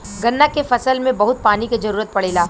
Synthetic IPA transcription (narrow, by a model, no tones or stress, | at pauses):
ɡɐnːakefɐsəlmẽbɐɦʊt̪̚paːnikezɐɾuːɾət̪̚pɐɽeːlaː